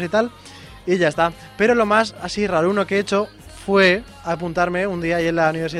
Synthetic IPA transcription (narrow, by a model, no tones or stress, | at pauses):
sit̪al | iʝaest̪a | pe̞ɾo̞lo̞masasiraɾuno̞keet͡ʃo̞ | fwe̞ | apunt̪aɾme̞und̪iaːʝie̞nlauniβ̞e̞ɾsi